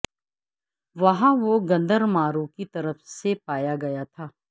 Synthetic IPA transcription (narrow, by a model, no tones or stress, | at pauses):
ʋɐɦãʋoɡɐ̃nd̪əɾmaːɾõkit̪ɐɾəfsepaːjaɡɐjat̪ʰaː